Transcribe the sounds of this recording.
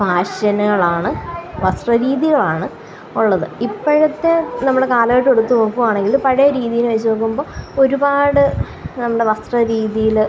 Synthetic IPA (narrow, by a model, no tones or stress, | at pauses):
bʱaːɕɐnɐɐɭaːɳɨʋɐst̪rɐɾiːðiɣɐɭaːɳɨ | uɭːɐðɨipːɐɻɐt̪ːe̞nɐmːɐɽe̞kaːlɐɣɐɻʈːeɽut̪ːunokːumaːɳe̞ŋɡilupɐɻɐjɐɾiːðijinʋɐt͡ɕːunoːk̬ːumbo̞ːo̞ɾubaːɽɨ | nɐmːɐɽe̞ʋɐst̪rɐɾiːðijil